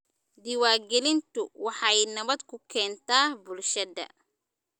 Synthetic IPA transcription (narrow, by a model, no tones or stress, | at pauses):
d̪ɪwaːɡɛlɪnt̪ʰʊwɑħɑjnɐβɐd̪kʰʊkʰɛːnt̪ʰaːbʊlʃɐdɐ̰